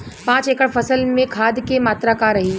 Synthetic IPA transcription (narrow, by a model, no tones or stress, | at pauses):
pãːt͡ʃekəɽfɐsəlmẽkʰaːd̪ʱkemaːt̪ɾakaɾɐɦiː